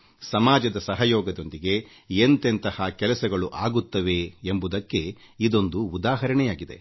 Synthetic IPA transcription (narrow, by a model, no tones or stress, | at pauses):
sɐmaːd͡ʒɐd̪ɐsɐɦɐjɔːɡɐd̪o̞nd̪iɡe̞ | ent̪ent̪ɐhakɛlɐsɐɡɐɭuʔaːɡut̪ːɐʋe̞ːmbud̪ɐkːe̞ | id̪o̞nd̪uːd̪aːɦɐɾɐɳɛjaːɡid̪e̞̰